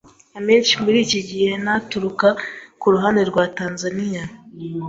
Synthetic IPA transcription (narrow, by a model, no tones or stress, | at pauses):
ameːnt͡ʃimuɾiciɟihenatuɾukakuɾuɦaneɾɡwaːtaːnzanija